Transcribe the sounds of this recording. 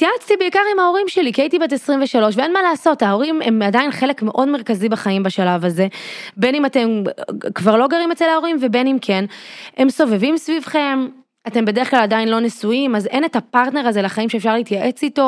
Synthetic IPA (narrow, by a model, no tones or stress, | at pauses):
tjat͡st̪ibeikaʁimhao̞ʁimʃelikeitibetesʁimveʃalo̞ʃvee̞nmalaːso̞tao̞ʁimḛmadainχe̞le̞kme̞ʔo̞dme̞ʁkazibeχaimbeʃalavaze̞be̞nimate̞mkvaʁlo̞ɡaʁimet͡se̞lhao̞ʁimve̞be̞nimkʰe̞ne̞mso̞ve̞vimsvivχe̞m | ate̞mbe̞de̞ʁeχklaladainlo̞nesuimaze̞netapaʁtne̞ʁaze̞laχaimʃefʃaʁliit̪jaʔe̞t͡sito̞